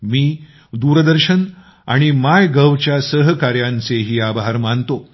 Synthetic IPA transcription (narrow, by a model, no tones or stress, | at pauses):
miː | d̪uːɾəd̪əɾɕən | a̰ɽ̃imajɡəʋt͡ɕjasəɦkaɾjant͡seɦiːabʱɦaɾmant̪o